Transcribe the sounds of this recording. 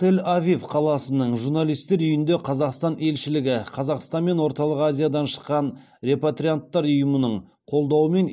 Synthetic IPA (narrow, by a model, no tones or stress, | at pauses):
t̪ʰelʲavʲifqʰɑlˠɑsənəɴʒuɾnalˠijst̪e̞ɾʏjɪnd̪e̞qʰɑzɑqst̪ɑne̞lʃɪlɪɡʲɪqʰɑzɑqst̪ɑnme̞nwo̞ɾt̪ɑlˠəqazʲijad̪ɑnʃə̥qːɑn | ɾe̞pat̪ɾʲijant̪ːɑɾʊjəmənəɴ | qʰo̞lˠd̪ɑwəme̞n